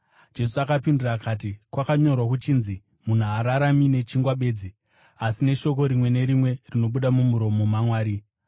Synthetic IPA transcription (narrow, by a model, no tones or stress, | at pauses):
d͡ʒe̞suakapindirakʰaːt̬ikwakaɲo̞rwak̬ut͡ʃiːnzi | mun̤uaɾaɾamine̞t͡ʃiŋɡwaɓe̞ːd͡zi | asine̞ʃo̞ko̞ɾimwe̞ne̞ɾimwe̞rino̞ɓuɗamumuɾo̞momamwaːɾi